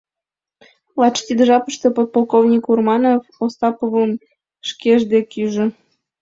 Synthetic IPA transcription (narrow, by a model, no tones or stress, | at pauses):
lˠɑt͡ʃt̪ʲid̪ʒɑpəʃt̪epot̪̚polˠkovnʲikurmɑnofost̪ɑpoβəm | ʃkeʒd̪ekyʒɘ̆